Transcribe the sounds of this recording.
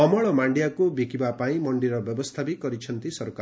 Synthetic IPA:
ɔmɔɭɔmaɳɖjakobikibapaĩmʌɳɖiɾʌbjʌbɔst̪ʰabikʌɾit͡ʃʰʌnt̪isʌɾka

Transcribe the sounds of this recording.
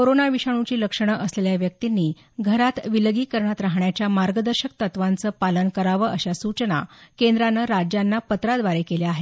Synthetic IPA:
koɾonaʋiɕaɽ̃ut͡ɕiːləkʂəɳ̃əʔəsleljaʋjək̚t̪inːiː | ɡʱəɾat̪ʋilɡiːkəɾɳat̪ɾaɦɳjat͡ɕjamaɾɡəd̪əɾɕək̚t̪ət̪ʋant͡səːpalənkəɾaʋəʔəɕasut͡ɕəna̰kend̪ɾanəɾad͡ʑjanːapət̪ɾad̪ʋaɾekeleaɦe

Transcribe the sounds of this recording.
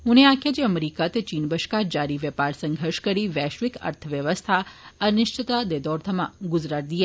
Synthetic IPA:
ɦũneãkʰjad͡ʒeəmeɾikat̪et͡ʃinbəʃkad͡ʒaɾiʋjəpaɾsə̃ŋɡʱəɾʃkəɾiʋɛʃʋikə̰ɾt̪ʰəʋjəʋəst̪ʰaənɪʃt͡ʃət̪ad̪ed̪ɔɾt̪ʰəmã̰ɡʊd͡ʒɾaɾ̚d̪ije

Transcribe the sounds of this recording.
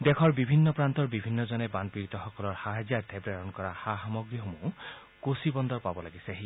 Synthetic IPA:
d̪ɛkʰɔɹbibʱinːɔpɹant̪ɔɹbibʱinːɔzɔnɛbandpiɹit̪ɔxɔkɔlɔɹhaɦazaɹt̪ʰebɹaɹɔnkɔɹaxaxamɔɡɹiɦomu | kosibɔnd̪ɔɹpabɔlaɡiseaɦi

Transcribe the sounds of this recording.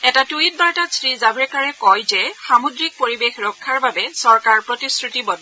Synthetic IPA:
ɛtatuit̚baɹtasɹizabɹɛkaɹɛkɔjzɛxamodɹik̚poɹibexɹɔkʰːaɹbabɛsɔɹkaɹpɹotiskɹutibɔd

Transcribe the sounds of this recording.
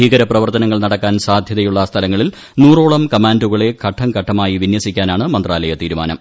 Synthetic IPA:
iːɣɐɾɐprɐʋɐrt̪ɐnɐŋːɐɭnɐɽɐkːaːnsaːd̪ʱjɐðɐjuɭːɐst̪ʰɐlɐŋːɐɭil | nuːroːɭɐmkɐmaːnduɣɐɭe̞kʰɐʈʰːɐmkɐʈʰːɐmaːjiʋinjɐsikʲːaːnaːɳɨmɐnd̪raːlɐjɐt̪iːɾuma̰ːnɐ̰m

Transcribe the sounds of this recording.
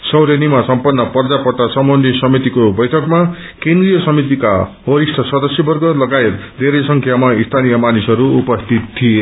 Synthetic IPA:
sʌwɾenimasʌmpʌnːʌpʌrd͡zapʌʈːasʌmonɖisʌmit̪ikobʌjʈʰʌkma | kẽnd̪rijʌsʌmit̪̬ika̰ɦʌɾisʈʰʌsʌd̪ʌsjʌbʌrɡʌlʌɡaet̪d̪ʱeɾʌjsʌŋkʰjamaist̪ʰanijʌmanisʌɾuupʌst̪ʰit̪ʰːie

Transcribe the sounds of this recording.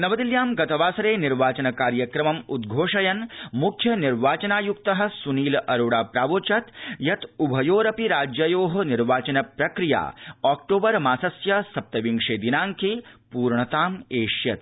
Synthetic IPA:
nɐʋɐd̪iljaːmɡɐt̪ɐʋaːsɐɾeːniɾʋaːt͡ʃɐnɐkaːɾjɐkɾɐmɐmud̪̚ɡʱoːʂɐjɐnmukʰjɐniɾʋaːt͡ʃɐnaːjukt̪ɐɦɐ̆suniːlʔɐɾoːɽaːpɾaːʋoːt͡ʃɐt̪jɐt̪ubʱɐjoːɾɐpiɾaːd͡ʒjɐjoːɦɐ̆niɾʋaːt͡ʃɐnɐpɾɐkɾija̰ːaːk̚ʈoːbɐɾmaːsɐsjɐsɐp̚t̪ɐʋiŋʂeːd̪inaːŋkʰepuːɾɳɐt̪aːmeːʂjɐt̪̚

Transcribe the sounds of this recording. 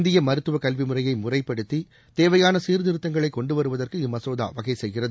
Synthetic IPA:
nd̪ɪjɐmɐɾɯt̪ːɯʋɐkɐlʋimɯrɐjɐɪmʊrɐɪpːɐɽɯt̪ːi | t̪eːʋɐjaːnɐsiːɾðɪɾɯt̪ːɐŋɡɐɭɐɪkːɔɳɖɯʋɐɾɯʋɐðɐrkɯɪmɐsoːða̰ːʋɐɣɐɪsɛjɣɪrɐðɯ

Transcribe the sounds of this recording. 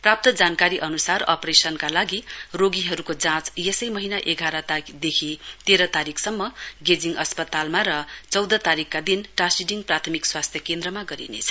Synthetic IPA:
prap̚t̪ʌd͡zankaɾiʔʌnusarʌ̰presʌnkalaɡiroɡiɦʌɾukod͡zãt͡sjesʌjmʌɦinaʔeɡʱaɾʌt̪d̪ekʰit̪eɾʌt̪aɾikʰsʌmːʌɡed͡ziŋʌspʌt̪almaɾʌt͡sʌwd̪ʌt̪aɾikːad̪inʈasiɖiŋprat̪ʰʌmikswast̪ʰjʌkend̪rʌmaɡʌɾḭnḛt͡sʰʌ

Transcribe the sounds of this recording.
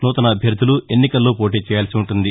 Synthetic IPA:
noːt̪ɐnɐːbʱjɐɾd̪ʱulue̞nːikɐlːo̞ːpo̞ːʈ̬iːt͡ʃɛːjaːlsiuɳʈund̪i

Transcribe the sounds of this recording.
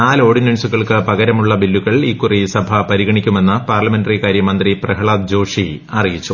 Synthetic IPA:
aːlo̞ːɽinɐnsuɣɐɭkɨpɐɣɐɾɐmuɭːɐbilːuɣɐɭikːurisɐbʱɐpɐɾiɣɐɳikʲːume̞nːɨpaːrlɐme̞ndɐrikaːɾjɐmɐnd̪riprɐɦɐɭaːd̪̚d͡ʑo̞ːʂiɐrijit͡ɕːu

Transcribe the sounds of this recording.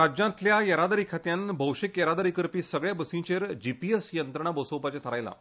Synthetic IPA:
ɾad͡ʑãt̪ljajəɾad̪əɾikʰat̪jãnbʱəwʂekjəɾad̪əɾikəɾpiːsəɡɭjabəsĩt͡ɕeɾd͡ʑipiesjənt̪ɾəɳ̃abosəwpat͡ɕet̪ʰəɾajla̰

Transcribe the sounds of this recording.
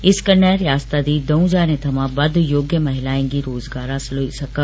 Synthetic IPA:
ɪskəɾnəɾɪjaːst̪ad̪iːd̪ɐũd͡ʑaːnẽt̪ʰɐmãbɐd̪ʱjoːɡjəmɐɦɪlaːɪ̃ɡiɾoːzɡaːɾaːsɪloisɐkə

